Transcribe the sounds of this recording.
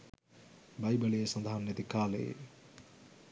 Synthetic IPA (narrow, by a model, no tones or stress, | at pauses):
bajbəliesɐnd̪ʱaːnet̪ikaːlḛ